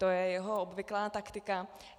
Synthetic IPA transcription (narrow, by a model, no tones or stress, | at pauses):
t̪ojɛjɛɦoobvɪklaːt̪akt̪ɪka